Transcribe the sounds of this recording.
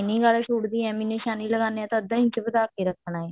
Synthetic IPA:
ɪnĩːɡaːlʃuːʈd̪iːɛːmiːneːʃaːniːləɡaːneãːt̪ãəd̪ãːĩt͡ʃbəd̪aːkeːɾəkʰːnaːeː

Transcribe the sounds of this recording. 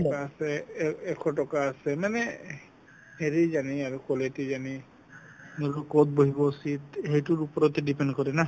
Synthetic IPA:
ɔkaːsɛɛkʰɔtɔkaːsɛmanɛ | heɹizaniaɹukɔletizani | nolukot̚boɦibɔusit̪hejtʊɹupɔɹɔt̪ɛdipendkɔɹɛna

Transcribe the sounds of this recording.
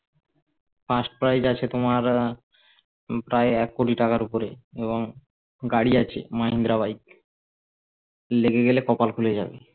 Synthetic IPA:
fasʈpɾajd͡ʑat͡ɕʰet̪omaɾ | pɾaeɛkːoʈiʈakaɾupoɾeeβoŋ | ɡaɽiat͡ɕʰḛmaɦind̪ɾaβajt̪̚ | leɡeɡelekɔpalkʰuled͡ʑa̰bḛ

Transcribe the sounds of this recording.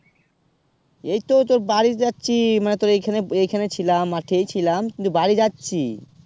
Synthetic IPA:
ejt̪ot̪oɾbaɾid͡ʑatːɕʰimanet̪oɾejkʰaneejkʰanet͡ɕʰilamaɾʈʰejt͡ɕʰilamkint̪ubaɾid͡ʑatːɕʰi

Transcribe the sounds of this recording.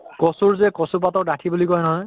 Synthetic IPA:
kɔsuɹzɛkɔsup̬atɔdatʰibulikɔjnɔɦɔj

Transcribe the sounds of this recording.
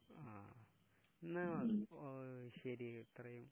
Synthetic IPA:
aː | nːaɐ | ɕɐɾit̪rɐjum

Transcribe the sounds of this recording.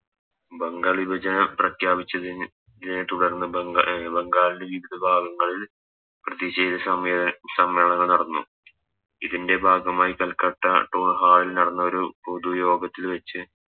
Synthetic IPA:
bɐŋɡaːɭibɐd͡ʑɐnɐprɐkʰjaːbit͡ɕːɐði | ðinet̪uɽɐrnːɨbɐŋɡaːlindeʋiʋid̪ʱɐbʱaːɡɐŋːɐɭil | prɐðjiɕejt̪ɐɐmsɐmʋeːɳɐŋːɐɭnɐɽɐnːu | iðinde̞bʱaːɡɐmaːjikɐlkɐʈːɐʈːoːɳɦaːɭilnɐɽɐnːɐo̞ɾupod̪ujo̞ːɡɐt̪ːilʋet͡ɕːɨ

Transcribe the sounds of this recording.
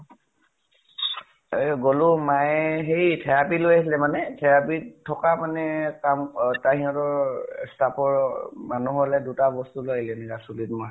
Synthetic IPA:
ɡolumajɦejtʰɛɹapilojasilɛmanɛtʰɛɹapitʰɔkamanɛkamtaɦiɔtɔɹstapɔɹmanuɦɔlɛdutabɔstuloilɛnɛkasulitmɔ

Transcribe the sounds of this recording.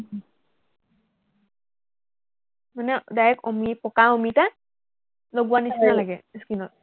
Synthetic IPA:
manɛdajɛkɔmipɔkaɔmita | loɡuwanisinalaɡɛeskinɔt̚

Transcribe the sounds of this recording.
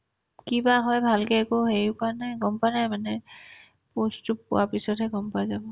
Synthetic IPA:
kibaɦɔjbʱalkɛɛkɔɦeɹikanajɡɔmpanajmanɛ | postupːʊ̰wapisɔtɦɛɡɔmpazabɔ

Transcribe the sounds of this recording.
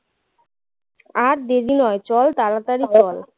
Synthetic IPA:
aɾd̪eɾinɔet͡ɕɔlt̪aɾat̪aɾit͡ɕɔl

